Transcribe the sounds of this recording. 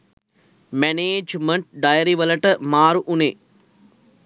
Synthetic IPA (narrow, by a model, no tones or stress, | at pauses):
meneːd͡ʒmɐɳʈ̚ɖɐjɐɾiʋɐlɐʈɐmaːɾuʔune